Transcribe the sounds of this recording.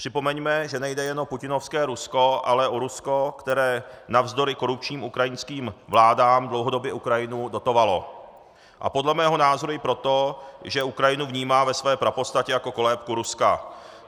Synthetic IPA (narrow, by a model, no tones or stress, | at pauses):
pr̥ɪpo̞mɛɲmɛʒɛnɛjdɛjɛnʔopucɪno̞fskɛːɾusko̞ʔalɛʔoɾusko̞kt̪ɛɾɛːnavzdo̞ɾɪko̞ɾup̚t͡ʃɲiːmukɾajɪnskiːmvlaːdaːmdlowɦo̞do̞bjɛukɾajɪnudo̞t̪o̞valo̞̰ | ʔa̰podlɛmɛːɦo̞naːzo̞ɾujɪpɾo̞t̪oʒɛukɾajɪnuvɲiːmaːvɛsvɛːpɾapost̪acɛjako̞ko̞lɛːpkuɾuska